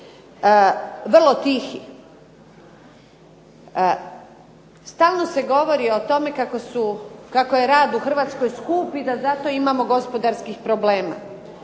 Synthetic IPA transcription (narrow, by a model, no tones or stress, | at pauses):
ʋrlo̞t̪ixi | st̪aːlˠno̞se̞ɡo̞ʋo̞ɾiot̪ome̞kakosukakojeɾaːd̪uxr̩ʋaːt̪sko̞jskuːpid̪azat̪o̞imamo̞ɡo̞spo̞d̪aɾskixpɾo̞ble̞ːma̰